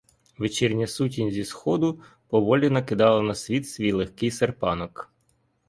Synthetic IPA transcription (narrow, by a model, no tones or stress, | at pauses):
ʋet͡ʃirnʲɐsutʲinʲzʲisxɔd̪ʊ | pɔʋɔlʲinɐkɪd̪ɑlˠɐnɐsʲʋʲit̪sʲʋʲijlˠexkɪjserpɑnɔk